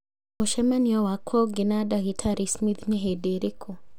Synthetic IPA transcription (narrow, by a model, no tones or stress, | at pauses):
ɔʃɛmaniɔwakʰɔɡinadaɣitʰaɾismid̪niɦɛdeɾikʰɔ